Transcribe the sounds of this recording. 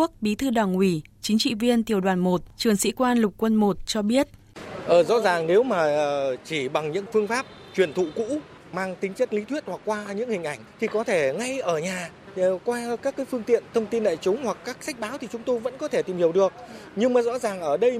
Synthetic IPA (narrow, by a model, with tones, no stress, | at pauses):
ək̚ɓi˨˦t̪ʰɨ˧ɗwaː˨˩ŋwi˧˩t͡ɕï˨˦ŋ̟t͡ɕḭ˧˨vi˧ənt̪i˨˩əwɗwaː˧˩nmo˨˩t̚t͡ɕɨ˨˩əŋsḭ˧˥kwaː˧nlʊ˨˩k͡p̚kːwə˧nmo˨˩t̚t͡ɕɔ˧ɓi˦˥ət̚ | ʔəː˨˩zɔ̰˧˥zaː˨˩ŋne˨˦wmaː˨˩˨t͡ɕi˧˩ɓa˨˩ŋɲɨ̰˧˥ŋfɨ˧əŋfaː˦˥p̚ | t͡ɕwi˨˩ənt̪ʰṵ˧˨kṵ˧˥ | maː˧ŋt̪ï˨˦ŋ̟t͡ɕə˦˥t̚li˨˦t̪ʰwi˦˥ət̚hwa˨˩k̚ːwaː˧ɲɨ̰˧˥ŋhï˨˩ŋ̟ʔa˧˩jŋ̟t̪ʰi˨˩kɔ˨˦t̪ʰe˧˩ŋa˧jʔəː˧˩ɲaː˨˩˨ | kwaː˧kaː˦˥kːaː˨˦jfɨ˧əŋt̪ḭ˧˨ənt̪ʰə˧wŋ͡mt̪i˧nɗa̰ː˧˨jt͡ɕʊ˨˦ŋ͡mhwa˨˩kːaː˦˥k̚sa˦˥jk̚ɓaː˨˦wt̪ʰi˨˩t͡ɕʊ˨˦ŋ͡mt̪o˧jvə̰˧˥nkɔ˨˦t̪ʰe˧˩t̪i˨˩mhi˨˩əwɗɨ˨˩ək̚ɲɨ˧ŋmaː˨˩zɔ̰˧˥zaː˨˩ŋʔəː˧˩ɗə˧j